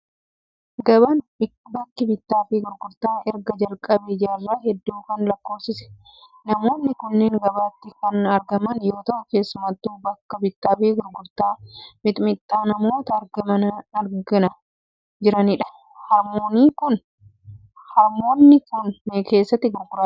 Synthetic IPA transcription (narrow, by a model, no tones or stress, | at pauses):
ɡɐβɐnɪbɐkːɪbɪt̪ːaːfɪɡʊɾɡʊɾt̪aːʔɛɾɡɐd͡ʒɐlkʼɐbeːd͡ʒɐɐrːɐɦɛd̪ːuːkɐnlɐkːo̞ːfsɪsɛ̥ | nɐmo̞ːnːɪkʊnːɛːŋɡɐbaːt̪ːɪkɐnɐɾɡɐmɐnjo̞ːt̪ɐʔʊke̞ːsːʊmɐt̪ːuːbɐkːɐbɪt̪ːaːfɪɡʊɾɡʊɾt̪aːmɪt̪ʼmɪt̪ʼːaːnɐmo̞ːt̪ɐːɾɡɐmɐnɐɾɡɪnɐ | d͡ʒɪɾɐnɪᶑɐ̥ | hɐɾmoːniːkʊn | hɐɾmo̞ːnːɪkʊnːeke̞ːsːɐt̪ːɪɡʊɾɡʊɾa